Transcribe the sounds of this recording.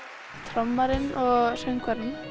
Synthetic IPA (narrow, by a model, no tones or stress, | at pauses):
t̪ʰɾɔmːaɾɪnɔɣr̥œɥŋkʰaɾɪn